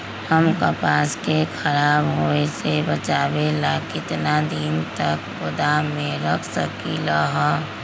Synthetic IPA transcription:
həmkəpaːskekʰəɾaːbɦoːesebət͡ʃaːbelakɪt̪nad̪int̪ək | ʊd̪amẽɾəkʰsə̰kiləɦɔ

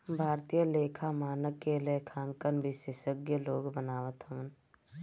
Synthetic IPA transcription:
bʱaːɾt̪ijəleːkʰamaːnəkːelekʰãːŋkənbɪʃeːʃəɡjəloːɡbənaːʋət̪ɦəʋən

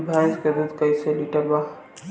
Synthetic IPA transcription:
bʱãjsked̪ud̪kəjseliʈəɾba

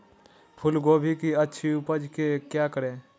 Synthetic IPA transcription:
pʰʊlɡoːbʱikiətːʃʰiʊpəd͡ʒkekjaːkəɾeː

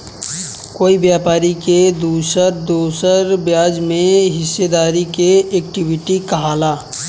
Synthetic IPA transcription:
koːibjaːpaːɾiked̪uːsəɾd̪oːsəɾbjaːd͡ʒmẽɦɪsːed̪aːɾikeeːkʈiwɪʈikəɦaːlaː

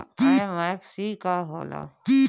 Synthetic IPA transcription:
amaksikaɦo̰la̰

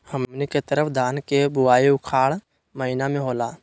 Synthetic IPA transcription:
həmniket̪əɾəpʰd̪ʱaːnkebʊwaːiʊkʰaːɽ | məɦinamẽɦoːlaː

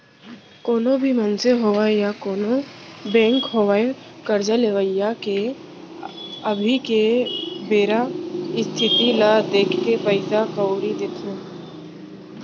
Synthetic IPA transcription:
koːnobʱimənseɦoːʋaejakoːnobɛ̃ːŋkɦoːʋaekəɾd͡ʒaleʋəjːake | əbʱikebeːɾaɪst̪ʰɪt̪ilad̪eːkʰːepəɪsakəwɽid̪eːk̪ʰeː

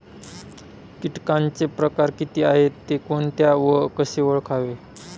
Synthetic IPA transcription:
kiʈkãnt͡sepɾəkaɾkit̪iːaɦet̪ːekoɳt̪jaʋəkəɕeʋəɭkʰaʋe

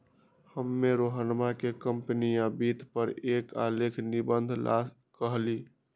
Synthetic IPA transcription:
həmːeɾoɦənmakekəmpnijãbit̪ʰpəɾekalekʰnibənd̪ʱla̰s | kəɦli

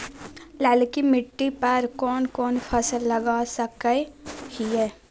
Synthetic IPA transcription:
lɛːlkimɪʈːipɐɾkɔːnkɔːnpʰɐsəlːɐɡaːsəkəekiɦɛː

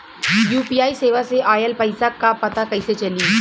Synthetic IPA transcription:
juːpiaːiseːʋaseʔaːjəlpɐɪsakːapɐt̪akɐjset͡ʃɐliː

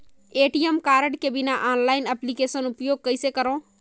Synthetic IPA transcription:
eːʈiemkaːɾəɽkebɪnaʔaːnlaːɪnəplikeːsənupjoːɡ̚kəɪsekəɾõ

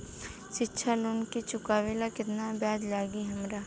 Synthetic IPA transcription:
ʃɪtːʃʰaluːnkit͡ʃʊkaːʋelakɪt̪nabaːd͡ʒ̪laːɡiɦɐmɾaː

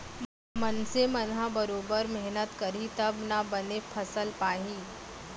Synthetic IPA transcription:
m | mɐnsemɐnɦãbɐɾoːbəɾmɛɦnət̪kɐɾit̪ɐbnabɐnepʰɐsəlpaːɦiː

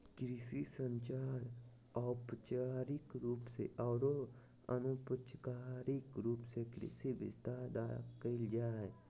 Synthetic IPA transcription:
kɾɪsisə̃ɲt͡ʃaːɾ | ɔːpət͡ʃaːɾɪkɾuːpseʔɔːɾo | ə̰nupət͡ʃkaːɾikɾuːpsekɾɪ̰sibɪ̰st̪aːɾd̪a̰kəɪld͡ʒaːɛ

